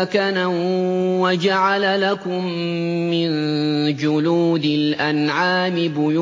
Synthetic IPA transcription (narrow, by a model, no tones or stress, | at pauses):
kana | wad͡ʒaʕalalakʊmː | ɪnd͡ʒʊluːd̪ɪlʔanʕaːmɪbʊj